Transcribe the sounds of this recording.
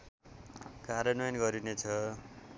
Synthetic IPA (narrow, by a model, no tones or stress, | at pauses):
kaɾjʌnʌjnɡʌɾinet͡sʰʌ